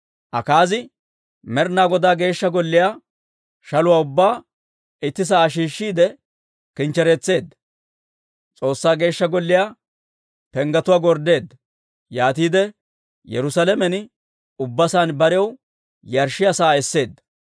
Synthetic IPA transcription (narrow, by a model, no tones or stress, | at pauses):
ʔɐ̰kaːzɪ | mɛɾnaːɡɔd̪aːɡe̞ːʃːɐɡɔlːɪjaː | ʃɐlʊwaːʊbːaː | ɪt̪ːɪs̬aːʃ̬iːʃːiːd̪ɛ | kɪnt͡ʃːɛɾɛt͡sːe̞ːd̪ːɐ | t͡sʼo̞ːsːaːɡe̞ːʃːɐɡɔlːɪjaː | pɛŋɡɐt̪ʊwaːɡɔɾd̪e̞ːd̪ːɐ | jaːt̪iːd̪ɛ | jɛ̰ɾʊsɐlɛmɛn | ʊbːɐsaːnbɐɾɛjɛw | jɐɾʃɪjasaːɛsːe̞ːd̪ːɐ̥